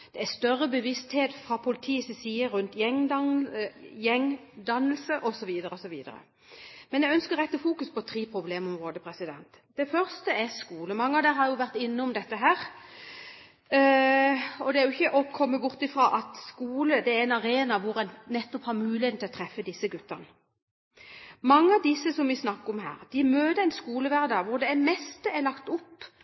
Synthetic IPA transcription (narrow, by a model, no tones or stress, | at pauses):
d̪̥ɛæst̪œrːəbəʋɪst̪heːt̪fɾɑpʰʊlɪt̪ʰiːsisiːəɾʉnt̪jɛŋ | jɛŋd̪ɑnːəlsəʔɔsɔʋiːd̪əɾəɔsɔʋiːd̪ə̰ɾə̰ | mɛnjɛɡœnskəɾʁɛt̪ːəfuːkʉspɔt̪ʰɾiːpʰɾʊbleːmɔmʁoːd̪əpʰɾɛsɪd̪ɛ̰nt̪ | d̪̥ɛfœɾst̪əɛskuːləmɑŋːəɑʋd̪æːɾhɑɾjʊʋæɾt̪ɪnːəʊmd̪ɛt̪ːəɦæːɾ | ɔd̪ɛæɾjʊɪçːəʔɔkʰɔmːəbʊɾt̪ɪfɾɑːʔɑt̪skuːləd̪ɛæɛɪnɑɾeːnɑʋʊɾɛnnːɛt̪ːɔphɑɾmʉːlɪheːn̩ɪlɔt̪ʰɾɛfːəd̪ɪsːəɡʉt̪ːəʁnə | mɑŋːəɑʋd̪ɪsːəsɔmʋɪsnɑkːəʊmhæ̰ːɾd̪̥ɪmøːd̪əɛɪnskuːləʋæʁd̪ɑʋʊɾd̪ɛmɛst̪əɛlɑkt̪ʊpː